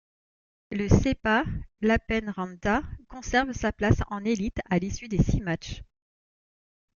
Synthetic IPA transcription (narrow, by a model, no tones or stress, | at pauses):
ləsepalapɛnʁɑ̃nd̪akɔ̃sɛʁvsaplasɑ̃nelit̪alisyd̪esimat͡ʃ